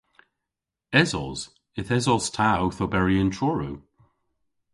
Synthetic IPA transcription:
ɛzɔz̥ | ɪθɛzɔz̥tʰawθɔbɛɹiə̃ntʰɹɔɹu

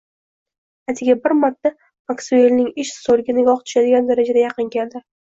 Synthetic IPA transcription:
at̪ʰɪɡʲabɪɾmaɾt̪ʰːa | maksuelnɪŋɪʃsoɾɡʲanɪɡʲɒχt̪ʰʊ̥ʃad̪ɪɡʲand̪aɾad͡ʒad̪ajɑqʰɨŋɡʲand̪ɪ

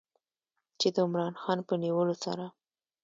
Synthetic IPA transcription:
t͡ʃed̪əʊmɾɑnxɑnpəniwəlosa̰ɾa

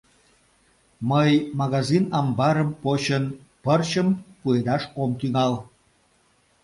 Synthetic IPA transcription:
məjmɑɣɑzinɑmbɑɾəmpot͡ɕən | pərt͡ɕəmpued̪ɑʃomt̪yŋɑl

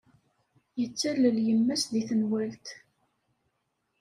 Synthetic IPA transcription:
jət͡sːæləljəmːæsðiθənwælt̪

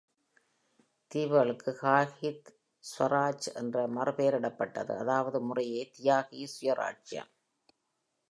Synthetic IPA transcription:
t̪iːʋɐɭɯkːɯkaːɣit̪ | sʋɐɾaːt͡ʃʔɛ̰ndrɐmɐrɯpeːɾɪɽɐpːɐʈːɐ̰ðɯ̰ɐðaːʋɐðɯmʊrɐjeːt̪ɪjaːɣijsʊjɐɾʔa̰ːʈ̚t͡ʃjɐ̰m

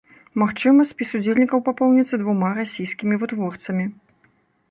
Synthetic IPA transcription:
maxt͡ʂɨmɐsʲpʲisud͡zʲelʲnʲikɐwpapɔwnʲit̪sːɐd̪vumaɾasʲijskʲimʲivɨt̪vɔrt̪sɐmʲi

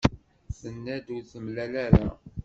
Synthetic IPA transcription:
sənːæd̪uθəmlælæɾæ

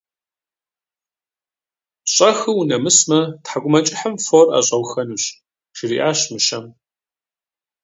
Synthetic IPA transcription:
ɕʼɐxɨwnɐmɨsmɐtħaɡʷʊmɐt͡ʃʼɪħəmfora̰ːɕʼɐwxɐnuːɕ | ʃɪriːʔaːɕmɨʃɐm

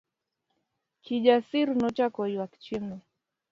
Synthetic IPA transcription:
kʰiʄasiɾnɔt͡ʃakɔjiwaki̥t͡ʃimɔ

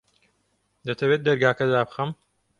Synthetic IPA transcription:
d̪ɐt̪ʰɐweːt̪̚d̪ɐɾɡaːkɐd̪aːbxɐm

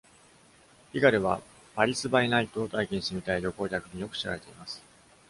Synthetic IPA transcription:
iɡaɾɯ̟βa | baɾʲisɨbainait̪o̞ːt̪aikʲĩɲ̃st̪emʲit̪aiɾʲo̞ko̞ːkʲakɯ̟ɲ̟ijo̞kɯ̟̥ɕiɾa̰ɾe̞t̪e̞imasɨ̥

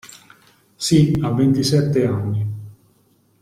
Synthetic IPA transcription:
siavːent̪isɛt̪ːeanːi

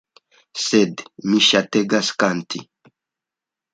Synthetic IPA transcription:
sɛd̪miʃat̪eɡaskant̪ḭ

